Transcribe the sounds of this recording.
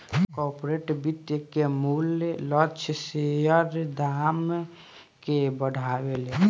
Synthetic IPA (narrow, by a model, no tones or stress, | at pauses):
kɔɾpɾeʈbit̪ːjəkemullɔt͡ʃʰsejəɾd̪am | kebəɽʱabele